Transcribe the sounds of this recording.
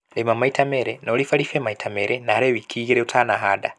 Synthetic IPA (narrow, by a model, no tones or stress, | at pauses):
lemamaitʰameɾenolifalifemaitʰameɾenaɾeβikʰiɣiɾeutʰanaɦada